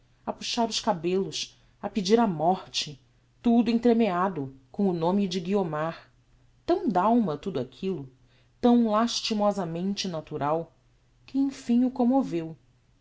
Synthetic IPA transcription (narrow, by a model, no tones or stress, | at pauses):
ɐpuʃaɾʊskabelʊs | ɐpid͡ʒiɾɐmɔɾt͡ʃɪ | t̪ud̪ʊẽt̪ɾemead̪ʊkõw̃ʊnõmɪd͡ʒɪɡiomaɾ | t̪ɐ̃w̃d̪awmɐt̪ud̪ʊakʰilʊ | t̪ɐ̃w̃laʃt͡ʃimɔzɐmẽnt͡ʃɪnat̪uɾʔaw | kɪẽj̃fĩɲʊkõmovew